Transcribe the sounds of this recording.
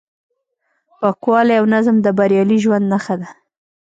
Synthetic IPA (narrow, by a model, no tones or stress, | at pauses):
wakwɑljawnazmd̪əbaɾjɑliʒwand̪naxad̪a